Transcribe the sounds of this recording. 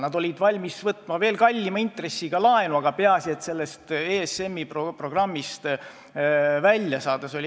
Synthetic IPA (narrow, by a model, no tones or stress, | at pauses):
nɑd̪o̞lʲid̪̥vɑlʲmisvɤt̪ˑmɑve̞ːlkɑlʲːimɑint̪re̞sːiɡ̥ɑlɑenuɑɡ̥ɑpeɑsiet̪se̞lːe̞st̪eːesemːipropro̞ɡ̥rɑmːist̪ | vælʲjɑsɑːd̪̥ɑso̞lʲi